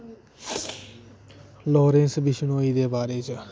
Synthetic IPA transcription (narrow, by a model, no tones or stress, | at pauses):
lɔːɾẽːnsbɪʃɳoːiːd̪eːbaːɾeːt͡ʃ